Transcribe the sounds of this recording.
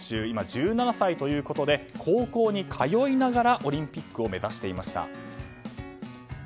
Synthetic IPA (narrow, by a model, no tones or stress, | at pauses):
ɕɨːimad͡ʑɨːnanasait̪o̞jɯ̟ːko̞t̪o̞d̪e̞kʰo̞ːko̞ːɲ̟ikʰajo̞inaɡaɾaʔo̞ɾʲĩmpʲikːɯ̟o̞me̞zaɕi̥t̪e̞imaɕi̥t̪a̰